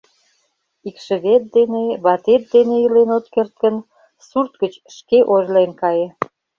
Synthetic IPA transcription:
ikʃə̆βet̪̚d̪eneβɑt̪et̪̚d̪eneilenot̪kert̪̚kən | surt̪̚ɡət͡ɕ | ʃkeʔorlenkɑjĕ

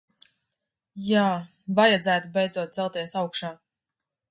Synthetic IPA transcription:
jaː | vajad̪zæːt̪ubɛjd̪zuɔt̪̚zɛlˠt̪iɛsawkʃaː

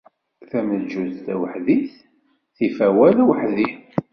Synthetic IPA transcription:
θæməd͡ʒuzt̪æwəħðiθ | θifæwælwəħði

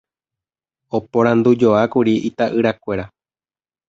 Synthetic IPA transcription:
o̞põɾ̃ãnd̪ud͡ʒo̞akuɾiʔit̪aʔɨɾakʷeɾa

